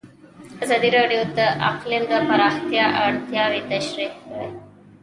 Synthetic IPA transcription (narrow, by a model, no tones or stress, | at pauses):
azɑd̪iɾɑɖijod̪aʔa̰qlɪmd̪əpaɾɑxt̪jɑʔaɽt̪jɑwit̪aʃɾiq̚kaɽə̰j